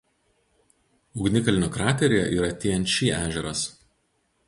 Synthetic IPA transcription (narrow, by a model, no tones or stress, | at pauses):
ʊɡnʲɪkɐlʲɪnʲoːkɾɑːt̪ʲɛɾʲejɛʔiːɾɐt̪ʲeːjɛnʲt̪ʃʲiːʔæːʒʲɛɾɐs